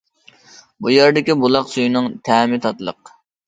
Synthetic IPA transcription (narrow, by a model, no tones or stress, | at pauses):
bujæɾd̪ɪkʲibulˠɑqsujnɨŋt̪ʰɛːmɪt̪ʰɑt̪lˠə̰q